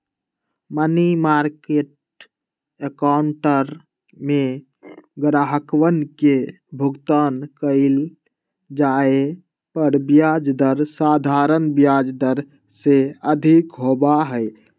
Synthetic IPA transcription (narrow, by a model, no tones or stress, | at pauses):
mənimaɾkeʈ̚ | ekawɳʈəɾ | me | ɡɾaɦəkwənke | bʱʊɡt̪ankəɪl | d͡ʒae | pəɾbjad͡ʒd̪əɾsad̪ʱaɾənbjad͡ʒd̪əɾ | seəd̪ʱikɦobaɦəɪ